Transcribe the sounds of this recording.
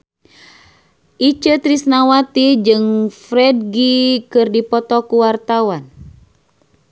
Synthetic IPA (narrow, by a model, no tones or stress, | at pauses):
ʔit͡ʃət̪ɾisnawat̪id͡ʒɨŋfɾɛd̚ɡikɨrdipɔt̪ɔkuwart̪awan